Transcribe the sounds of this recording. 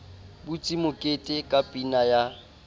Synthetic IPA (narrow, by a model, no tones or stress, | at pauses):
bʊt͡sʼimʊkʼetʼɪkʼapʼinaja